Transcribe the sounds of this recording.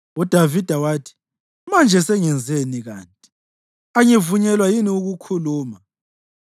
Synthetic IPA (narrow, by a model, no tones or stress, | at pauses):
ud̥ʱavid̥ʱawaːtʰi̥ | mand͡ʒʱɛsɛŋɛnd͡zʱeniɣa̰ːntʼi̥ | aŋevuɲɛlwajiniuɣukʰuluːma